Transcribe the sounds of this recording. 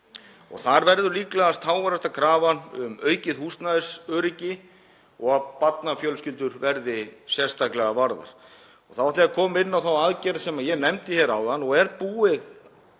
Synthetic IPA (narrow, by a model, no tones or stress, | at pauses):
ɔ̰ɣθaɾvɛɾðʏliːklɛɣast̪haːwvaɾast̪akʰɾaːvanʏmœːɥcɪðhust̪naðɪsœːɾɪcɪ | ɔɣaðpat̪nafjœlscʏlt̪ʏɾvɛɾðɪsjɛst̪aklɛɣavaɾða̰ɾ̥ | ɔ̰ɣθawaht̪lɪakʰɔːmɪnːawθawaðcɛɾsɛmaðjɛnɛmt̪ɪçɛɾawðanːɔɣɛɾt̪puːɪð